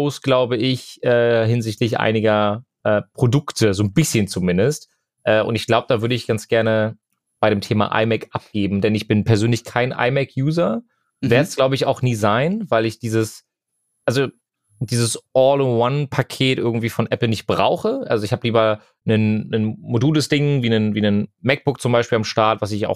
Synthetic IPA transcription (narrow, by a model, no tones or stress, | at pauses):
oʊsɡ̥laʊbəʔɪçʔɛːɦɪnzɪçtlɪçʔa̰ɪnɪɡɐ | ʔɛːpʁ̥odʊktʰəzoːnbɪsçənt͡sumɪndəst | ʔɛːʔʊ̰ntɪçɡ̥laʊbəd̥aːvʏɐɾəɪçɡ̥ant͡sɡ̥ɛɐnə | b̥aɪɾeːmtʰeːma̰ʔa̰ɪmɛkʔap̚ɡ̥eːbm̩dɛnɪçb̥ɪnpʰɛɐzøːnlɪçkʰaɪnʔa̰ɪmɛkʰjuːzɐ | vɛɐtsɡ̥laʊbəɪça̰ʊxniːzaɪnvaɪlɪçd̥iːzəs | ʔalzo | d̥iːzəsɔːlwanpʰakʰeːtʔɪɐɡŋ̩tv̥iːfɔnʔɛpl̩nɪçt̚b̥ʁa̰ʊxəʔalzoɪçhaːbəliːbɐ | nənːənmoduːləsd̥ɪŋviːnənviːnənmɛk̚b̥ʊk̚t͡sʊmbaɪʃpiːlamʃtaɐtv̥as̬ɪça̰ʊx